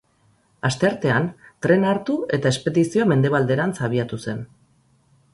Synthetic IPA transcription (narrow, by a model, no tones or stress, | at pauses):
ast̪e̞aɾt̪e̞ant̪ɾe̞naɾt̪ue̞t̪aespe̞ðisioame̞nd̪e̞βald̪e̞ɾansaβ̞iat̪use̞n